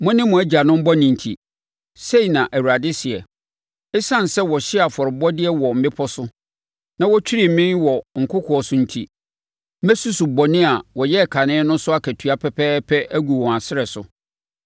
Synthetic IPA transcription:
mʊ̃˦nɪ̃˦mʊ̃˨æ˦d͡ʑi˨a˨nʊ̃˦m̩˦bɔ˦nɪ̃˨n̩˨tʰḭ˨ | se˦i˨nã˨ʔæ˨wu˨ɾa˨dɪ˦sɪ˨ɛ˨ | ɪ˦sã˦˨n˨sɛ˦wɔ˨ɕɪ˦a˨fɔ˨ɾɪ˨bɔ˦dɪ˦ɛ˦wɔ˨m̩˨bɪ˦pʰɔ˦sʊ˦ | nã˦wɔ˦t͡ɕᶣi˦ɾi˨m˨mɪ̃˦nwɔ˨ŋ̩˨kʰʊ˦kʰɔ˨ɔ˨sʊ̃˨n̩˨tʰḭ˨ | mæ˦su˦su˨bɔ˨nɪ̃˦a˨wɔ˨jɛ˦˨kʰa˨nɪ̃˦nʊ̃˦sʊ˦a˦kʰæ˨tʰu˨a˦pʰɛ˦pʰɛː˦pʰɛ˦ʔæ˦ɡu˨wɔ̃˨a˨sɪ˦ɾɛ˨sʊ˨

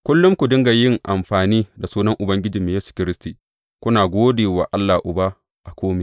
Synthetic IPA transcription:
kʷʊ˦lːʊ˦ŋkʷu˨dɪ˦ŋɡa˨jɪ˦ŋʔa˨mɸaː˨niː˦da˨suː˦nɐ˦ŋʔʊ˨bɐ˦ŋɡʲɪ˦d͡ʒiː˨meː˨jeː˦su̥˨kʲɪ˦ɾɪ˦stiː˨ | kʷʊ˦naː˨ɡʷoː˦deː˨waː˨ʔa˦lːa˨ʔʊ˨ba˦ | ʔa˨kʷoː˦me˨

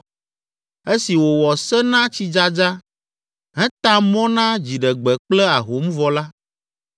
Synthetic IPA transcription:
e˦si˨wo˨wɔ˨sɛ˦nã˦t͡ɕi˦d͡ʒa˦d͡ʒa˦ | ɦɛ̃˦t̪ã˦mɔ̃˦nã˦d͡ʑi˨ɖɛ˨ɡ͡bɛ˨k͡plɛ˦a˨ɦo˨m˦vɔ˨la˦

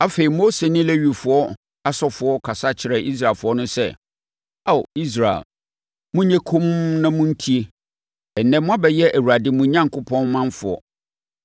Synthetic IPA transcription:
a˦fe˨i˨mo˦se˨nɪ̃˦lɛ˦ɥi˨fʊ˨ɔ˦ | a˦sɔ˦fʊ˨ɔ˦kʰa˨sa˦t͡ɕʰɪ˨ɾɛ˨ʔi˦s̬ɾa˨lfʊ˨˦ɔ˦nʊ̃˦sɛ̰˦ | a˦˨wi˦s̬ɾa˨ḛ˨l | mũ˦ɲɛ̃˦kʰõ˦mnã˦mʊ̃˦n̩˦tʰi˦e˦ | ɛ˨nːɛ̃˦mʊ̃˦a˦bɛ˨jɛ˦ʔæ˨wu˨ɾa˨dɪ˦mũ˨ɲã˦ŋ˨kʊ˦pʰɔ̃˦nmã˦nfʊ˨ɔ̰˨

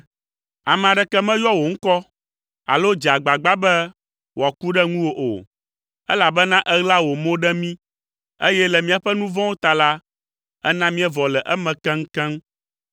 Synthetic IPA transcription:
a˨mɛ̃˨a˨ɖɛ˨kɛ˦mɛ̃˦jɔ˦wo˨ŋ̩˦kɔ˦ | a̰˨lo˦d͡ʒa˨ɡ͡ba˨ɡ͡ba˦bɛ˦ | wa˨ku˦ɖɛ˦ŋũ˦wo˦ʔo̰˨ | ɛ˦la˨bɛ˦nã˦ʔɛ˦ɣla˦wo˨mõ˦ɖɛ˦mĩ˦ | ḛ˦jɛ˦lɛ˨mĩ˦a˨ɸɛ˦nũ˦vɔ̃˦wo˦t̪a˨la˦ | ɛ̰˦nã˦mĩ˦ɛ˦vɔ˨lɛ˨ʔɛ˦mɛ̃˨kɛ̃˦ŋ̩˦kɛ̃˦m

